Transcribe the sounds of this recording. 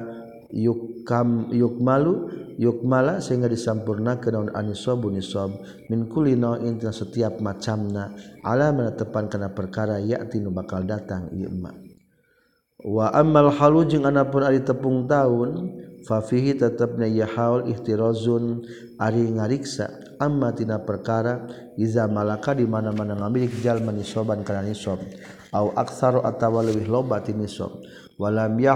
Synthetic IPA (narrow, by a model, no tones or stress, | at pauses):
jukamjʊk̚malujʊk̚malasəɦiŋɡadisampurnakənaunʔa̰nisɔbunisɔb̚ | mɪnkulːinaʔint̪inasət̪iap̚mat͡ʃamnaʔa̰lamənət̪əpankanapərkaɾaja̰ʔt̪inubakaldat̪aŋḭj̰əma̰ | waʔamːalħalud͡ʒɨŋanapʊnaɾit̪əpʊŋt̪aʊnfafiɦit̪ət̪əp̚najaħaulɪ̰ht̪iɾɔzʊn | ʔaɾiŋaɾiksa̰ | ʔamːat̪inapərkaɾa | ʔizamalakadimanamanaŋamilɪk̚d͡ʒalmanisɔbankananisɔp̚ | ʔawʔa̰k̚θaɾɔʔa̰t̪awaləbɪɦlobat̪inisɔ̰p̚ | walamja